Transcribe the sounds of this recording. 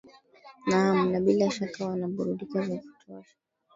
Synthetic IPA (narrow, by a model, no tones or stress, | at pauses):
nam̩naɓilaʃakawanaɓuɾuɗikazavitɔfi